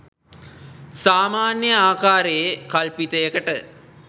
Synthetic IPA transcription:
saːmaːnjəaːkaːɾejekɐlpit̪əjəkəʈə

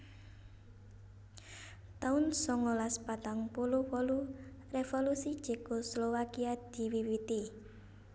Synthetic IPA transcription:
t̪aʊnsɔŋɔlaspat̪aŋpuluwɔlu | refolusit͡ʃɛkɔslɔwakiad̪̥i̤wiwit̪i

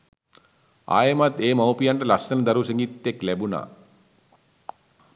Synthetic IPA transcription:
a̰ːjɐmat̪eːmɐwpijaɳʈɐlɐsɐnɐd̪ɐɾuseŋɡit̪ːeklɛbuna̰

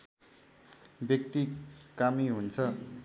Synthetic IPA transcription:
bjʌk̚t̪ikamiɦunt͡sʰʌ

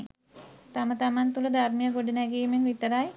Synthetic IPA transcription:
t̪amət̪amant̪uləd̪armijəɡoɖənæɡiːmeŋʋit̪əɾaj

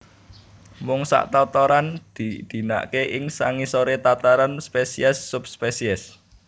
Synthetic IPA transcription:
mʊŋsa̰ʔt̪ɔt̪ɔɾand̪̥id̪̥i̤na̰ʔkeʔɪŋsa̰ŋisoɾet̪at̪aɾanspesiɛsːʊp̚spesiɛs

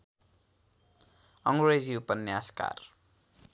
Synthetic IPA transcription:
ʌŋred͡ziupʌnːjaska̰r

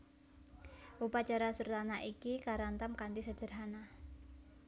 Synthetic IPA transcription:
ʔupat͡ʃaɾasurt̪anaʔikikaɾant̪amkant̪isəd̥ə̤rɦana

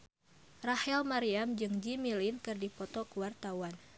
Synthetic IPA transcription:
rahɛlmaɾiamd͡ʒɨŋd͡ʒimilinkɨrdipɔt̪ɔkuwart̪awan

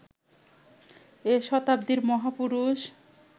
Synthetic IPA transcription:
eʃɔt̪ab̚d̪iɾmɔɦapuɾuʃ

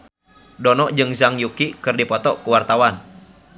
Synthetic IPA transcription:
dɔnɔʔd͡ʒɨŋzaŋjukikɨrdipɔt̪ɔkuwart̪awan

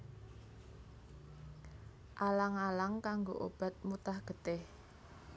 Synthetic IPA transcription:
ʔalaŋalaŋkaŋɡoʔo̰b̥a̤t̪̚mut̪ahɡ̥ə̤t̪ɪh

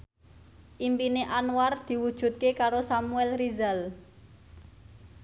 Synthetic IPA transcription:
ʔimpineʔanward̪̥i̤wud̥ʒ̥ṳt̪̚kekaɾosamuɛlrizal

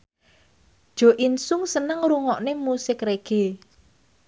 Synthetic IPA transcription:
d̥ʒ̥ɔ̤ʔinsʊŋsənəŋɾuŋɔʔnemusɪkreɡ̥e̤

